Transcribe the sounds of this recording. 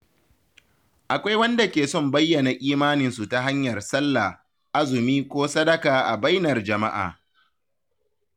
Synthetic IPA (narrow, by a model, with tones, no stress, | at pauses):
ʔa˨kʷa˦jwɐ˦nda˨kʲeː˨sɔ˦˨mbɐ˦jːɐ˨na˨ʔʲiː˦maː˦nɪ˨nsu˨ta˨ɦa˦ɲjɐ˨rsɐ˦lːa˨ | ʔa˦zʊ˨miː˦kʷoː˦sɐ˦dɐ˦kaː˨ʔa˨ba˦jnɐ˨rd͡ʒɐ˨ma˦ʔa̰ː˨